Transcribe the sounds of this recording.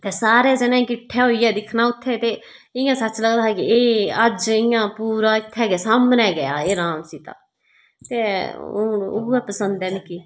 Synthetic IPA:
t̪eːsaːɾɛːd͡ʒɛːnẽːkɪʈʰːɛːɦoːiːɛːd̪ɪkʰnaːʊt̪ʰːeːt̪eː | ɪjãːsəːt͡ʃləɡd̪aːɦɛːkɪeːəd͡ʒɪjãːpuːɾaːɪt̪ʰːɛːɡɛːsaːmnɛːɡəja̰ːeːɾaːmsiːt̪ã̰ː | t̪eː | ʊ̰ɛːpəsənd̪ɛːnɪkiː

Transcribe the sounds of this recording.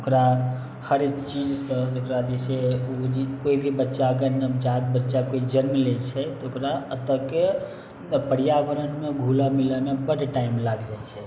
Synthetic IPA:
okɾa | həɾt͡ʃid͡ʒsəokɾad͡ʒ̪iseud͡ʒikoibʱibətːʃakənəd͡ʒad̪̚bətːʃakoid͡ʒəɾmlet͡ʃʰɛt̪okɾaət̪əke | pəɽijabəɾənmeɡʱulamiləmebəɽʈaimlaɡd͡ʒajt͡ʃʰɛ

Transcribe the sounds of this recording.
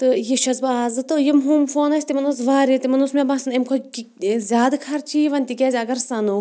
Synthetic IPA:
t̪ɨjiʃɐsbaaːzɨt̪ɨjimɦumfoːnɐsʲt̪imɐnosʋaːɾit̪imɐnusmebãːsɨnemkʰo | zʲaːd̪kʰɐɾt͡ʃʰiːʋɐnʲt̪ikʲaːzʲɐɡɐɾsɐnu

